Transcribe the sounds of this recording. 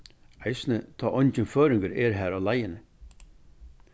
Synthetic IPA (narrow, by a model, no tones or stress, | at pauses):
æɪsnət̪ʰɑːʔɔncənføːɾɪŋɡəɾɛɾɦæːɾɑlæjənə